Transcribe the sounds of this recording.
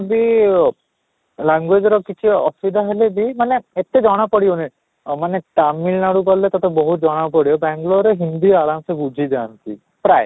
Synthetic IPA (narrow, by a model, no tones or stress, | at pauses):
bi | laŋɡwed͡ʒɔɾɔkit͡ʃʰiɔ̰sbid̪ʱaɦelebimaneet̪ed͡ʒɔɽ̃apɔɽiɔni | maneʈamːilnaɽukɔlːet̪at̪ebɔɦud͡ʒɔɽ̃apɔɽijɔbaŋɡloɾeɦind̪iɔaɾamsebud͡ʒʱid͡ʒaːnt̪ḭ | pɾaj